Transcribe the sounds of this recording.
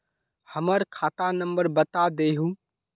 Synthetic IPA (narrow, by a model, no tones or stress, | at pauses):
həməɾkʰaːt̪anə̃mbəɾbət̪ad̪eɦũ